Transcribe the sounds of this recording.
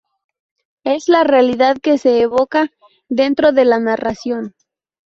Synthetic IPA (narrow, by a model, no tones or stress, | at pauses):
e̞zlarealiðaðke̞se̞ːβo̞ka | ðe̞nt̪ɾo̞ðe̞lanarasjo̞n